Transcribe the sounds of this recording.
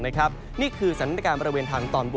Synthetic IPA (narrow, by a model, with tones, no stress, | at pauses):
na˦˥kʰɾa˦˥p̚ | niː˥˩kʰɯː˧sa˨˩˦nʰ˦t̪ːkaː˧nbɔː˧ɾa˧weː˧nt̪ʰaː˧ŋt̪ɔː˧nbu˨˩